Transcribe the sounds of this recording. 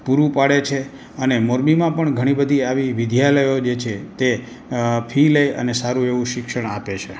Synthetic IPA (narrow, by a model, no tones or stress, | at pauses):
puɾʋũpaɽet͡ʃʰe | ənemoɾmimãpəɳɡʱəɽ̃ibəd̪ʱiaʋiʋɪd̪ʱjaləjod͡ʒet͡ʃʰet̪e | pʰiləjə̰nesaɾũeʋũʃɪkʃəɳapet͡ʃʰe